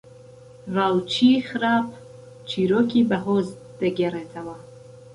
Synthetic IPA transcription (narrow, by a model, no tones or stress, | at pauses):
vawt͡ʃʰiχɾap̚ʰ | t͡ʃʰiɾɔkʰibaɦɔz | d̪̥ɛɡeɾet̪ʰawa